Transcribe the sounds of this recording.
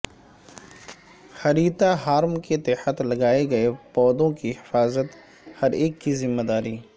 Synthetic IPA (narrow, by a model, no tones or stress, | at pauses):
xɐɾiːt̪aɦaːɾmket̪ɛːħət̪lɐɡaːeɡɐepɔːd̪õkihɪfaːzət̪ | hɐɾeːkːizɪmːed̪aːɾiː